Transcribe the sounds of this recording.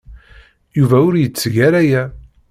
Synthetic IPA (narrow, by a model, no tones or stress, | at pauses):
juvæʊɾjət͡sːʝæɾæjæ